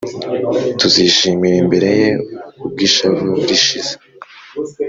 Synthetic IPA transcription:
tuziʃiːmiɾembe̞ɾe̞je̞ub̚ɡiʃavuuɾiʃize

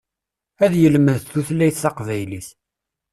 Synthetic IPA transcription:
æðjəlməðθuθlæjθθɑqvæjliθ

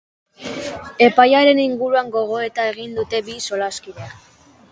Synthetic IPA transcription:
e̞pajaɾe̞niŋɡuɾuaŋɡo̞ɣ̞o̞e̞t̪ae̞ɣ̞ind̪ut̪e̞biso̞laskiðe̞a

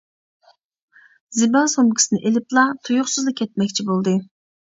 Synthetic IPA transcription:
zɪbɑlˠsomkʲʰi̥sɨnɪʔelɪplˠɑt̪ʰujʊχsɨzd̪ɑkʲʰɛt̪̚mɛkʲt͡ʃʰibolˠd̪ɨ

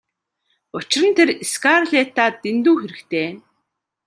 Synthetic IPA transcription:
ʊt͡ɕɪ̆rə̆nt̪ʰereskarɮet̪aːt̪ent̪uːxeɾɘ̆kt̪ʰeː

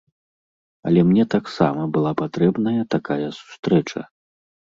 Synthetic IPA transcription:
ɐ̰lʲɛmnʲɛt̪aksa̰mɐbɨlˠapat̪ɾɛbnɐjɐt̪akajɐsu̥st̪ɾɛt͡ʂɐ̰

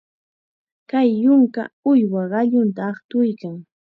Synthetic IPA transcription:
kajːʊŋka̰ʊjwaɢɑʎʊnt̪aːχt̪ʊjkaŋ

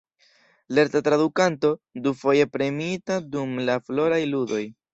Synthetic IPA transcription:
le̞ɾtatɾadukanto̞dufo̞je̞pɾe̞mitadumlaflo̞ɾajludo̞j

